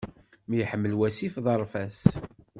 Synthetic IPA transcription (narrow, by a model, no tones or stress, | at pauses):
mjħəmːəlwæsifðˤɑɾˤfæs